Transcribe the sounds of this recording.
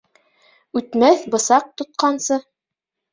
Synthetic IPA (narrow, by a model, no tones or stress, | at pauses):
ʉt̪mæθbɤ̆sɑq̚t̪ŏt̪̚qɑnsɤ